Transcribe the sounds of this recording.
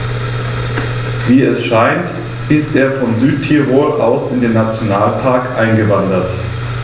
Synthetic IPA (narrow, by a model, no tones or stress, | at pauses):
viːɛsʃaɪnt | ɪstʔeːɐfɔnzyːtʰiʁoːɐʔa̰ʊsɪndeːnːat͡sjonaːlpʰaɐkʔaɪnɡəvandɐt